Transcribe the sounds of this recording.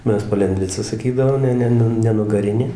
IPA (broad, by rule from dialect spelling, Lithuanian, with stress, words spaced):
ˈmʲɛs pɐlʲɛnʲˈdʲʋʲɪt͡sɐ sɐˈkʲiːdɐʋoːm ˈnʲɛ ˈnʲɛ nʲɛ nʊɡɐˈrʲɪnʲeː